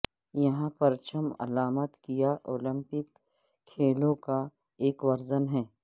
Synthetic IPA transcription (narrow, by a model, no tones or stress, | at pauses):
jɐɦãpɐɾt͡ʃəmɐ̰laːmət̪kijaʔoːlɪ̃mpɪkʰː | eːlõka | eːkʋɐɾzənɦɛː